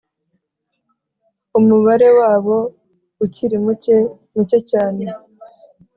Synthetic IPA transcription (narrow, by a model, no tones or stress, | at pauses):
umuβaɾe̞waːβo̞ | uciɾimuce | mucecaːne̞